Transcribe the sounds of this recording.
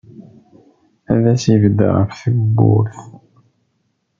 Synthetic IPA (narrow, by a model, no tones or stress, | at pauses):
æðæsivd̪ə̰ʁəfθəɡbːṵɾθ